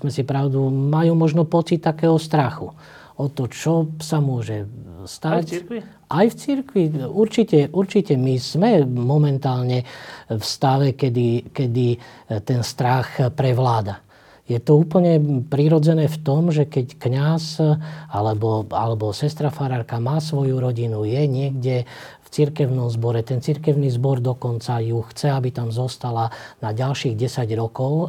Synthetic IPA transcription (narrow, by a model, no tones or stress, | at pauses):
mɛsipɾaʊd̪umajuːmɔʒnɔpɔt͡sit̪ːakɛːɦɔst̪ɾaxṵ | ɔt̪ɔt͡ʃɔsamʊɔʒɛst̪ac | ʔajft͡siɾkʋiuɾt͡ʃicɛʔuɾt͡ʃicɛmiz̥mɛmɔmɛnt̪aːlɲɛfst̪aʋɛkɛd̪ikɛd̪i | t̪ɛnst̪ɾaxpɾɛʋlaːd̪a | jɛt̪ɔuːpl̩ɲɛpɾiɾɔd͡zɛnɛːft̪ɔmʒɛkɛckɲasalɛbɔa̰lɛbɔsɛst̪ɾafaɾaɾkamaːs̬ʋɔjuɾɔɟinujɛɲɪɛɡɟɛ | ft͡siɾkɛʊnɔmzbɔɾɛt̪ɛnt͡siɾkɛʊniːzbɔɾd̪ɔkɔnt͡sajuxt͡sɛabit̪amzɔst̪alanaɟalʃiːɣɟɛsaɟɾɔkɔʊ